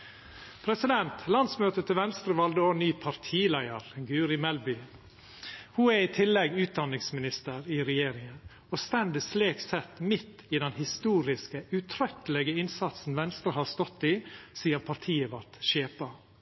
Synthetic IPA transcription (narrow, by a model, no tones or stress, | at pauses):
pʰɾɛsɪd̪ɛnt̪ʰlɑnsmøːt̪ət̪ʰɪlʋɛnst̪ɾəʋɑld̪əoːnyːpʰɑɾt̪ʰiːlæɪəɾɡʉːɾɪmɛlbʏ | huːɛɾiːt̪ʰɪlːɛɡʉːt̪̚d̪ɑnːɪŋsmɪnɪst̪əɾɪɾɛjeːɾɪŋən | ɔst̪ɛnd̪əsleːksɛt̪mɪt̪ːɪd̪ɛnhɪst̪uːɾɪskəʉt̪ʰɾœt̪ːəlɛɡəɪnsɑt̪sn̩ʋɛnst̪ɾəhɑːɾst̪ɔt̪ːɪsiːəɾpʰɑɾt̪ʰiːəʋɑt̪ʃeːpə